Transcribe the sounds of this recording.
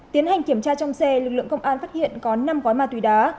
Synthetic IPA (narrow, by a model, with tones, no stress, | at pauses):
t̪i˨˦ənha˨˩jŋ̟ki˧˩əmt͡ɕaː˧t͡ɕɔ˧wŋ͡msɛ˧lɨ˨˩k̚lɨ̰˧˨əŋkə˧wŋ͡mʔaː˧nfaː˦˥t̚hḭ˧˨ənkɔ˨˦na˧mɣɔ˨˦jmaː˧˩t̪wi˨˦ɗaː˨˦